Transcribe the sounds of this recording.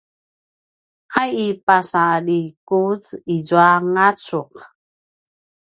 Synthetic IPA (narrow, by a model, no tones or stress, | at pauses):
ʔajipasalikut͡sizuaŋat͡suq